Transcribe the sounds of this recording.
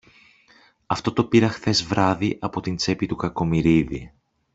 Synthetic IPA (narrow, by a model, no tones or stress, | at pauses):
ɐft̪o̞t̪o̞piɾɐxθe̞zvɾɐðiʔɐpo̞t̪int͡se̞pit̪ukɐko̞miɾiðḭ